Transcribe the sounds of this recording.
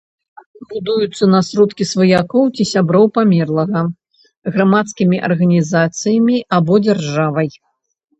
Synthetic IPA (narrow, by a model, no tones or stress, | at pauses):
bud̪ujut̪sːɐnɐsɾɔt̪kʲisvɐjakɔwt͡sʲisʲabɾɔwpamʲɛrlˠɐɣɐ | ɣɾamat̪skʲimʲiʔɐrɣɐnʲizat̪sɨjɐmʲiʔabɔd͡zʲarʐavɐj